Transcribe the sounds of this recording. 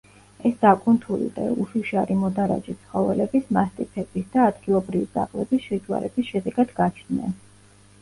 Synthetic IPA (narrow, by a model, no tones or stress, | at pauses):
ɛsd̪̥akʼunt̪ʰulḭd̪a̰uʃuʃaɾimɔd̪aɾa̰d͡ʒit̪sʰχɔvɛlɛbismast̪ʼipʰɛb̥isd̪aːd̪ɡilˠɔbɾivibɾa̰qʼlɛbisʃɛd͡ʒwa̰ɾɛ̰bisʃɛd̪ɛɡad̪ɡat͡ʃʰd̪nɛ̰n